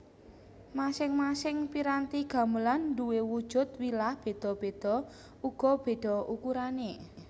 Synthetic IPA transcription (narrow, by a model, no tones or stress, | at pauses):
masɪŋmasɪŋpiɾant̪iɡ̥a̤məlanɖuwewud̥ʒ̥ʊ̤t̪̚wilahb̥e̤d̪̥ɔ̤b̥e̤d̪̥ɔ̤ | uɡ̥ɔ̤b̥e̤d̪̥ɔ̤ukuɾane